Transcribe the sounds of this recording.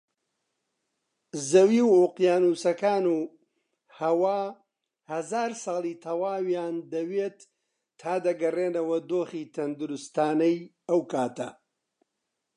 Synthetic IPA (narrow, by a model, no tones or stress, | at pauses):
zɐwiːwuqjaːnuːsɐkaːnuː | hɐwaː | hɐzaːɾsɑːlˠiːt̪ʰɐwaːwjaːnd̪ɐweːt̪ʰː | aːd̪ɐɡɐreːnɐwɐd̪oːχiːt̪ʰɐnd̪uɾʊst̪aːnɐj | ɐwkaːt̪ɐ